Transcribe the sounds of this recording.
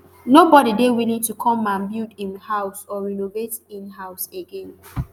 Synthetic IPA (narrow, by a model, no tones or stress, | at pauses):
nobɔdidewilĩŋtukʰɔ̃mãnbildĩnhaʊsɔɹɛnovetĩnɦaʊseɡẽn